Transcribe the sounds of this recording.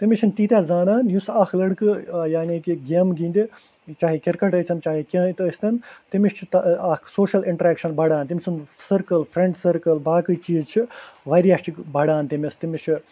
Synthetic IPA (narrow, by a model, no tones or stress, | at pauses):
t̪imit͡ʃʰint̪iːt̪ʲjaːzaːnaːnjusaːkʰlɐɽkɨjaːniːkiɡemɡĩːnd̪i | t͡ʃaːɦikʲiɾkɐʈət͡ʃ̪ʲʰɐnt͡ʃaːɦikʲɐːt̪əsʲt̪ɐnt̪imiʃt͡ʃʰit̪aːkʰsoːʃɐliɳʈɐɾeːkʃɐnbɐɽaːnt̪imʲisʰunsɐɾkɐlfɾẽɳɖsɐɾkɐlbaːkɨt͡ʃiːzt͡ʃʰiʋɐɾijaːt͡ʃʰikbɐɽaːnt̪imist̪imit͡ʃʰi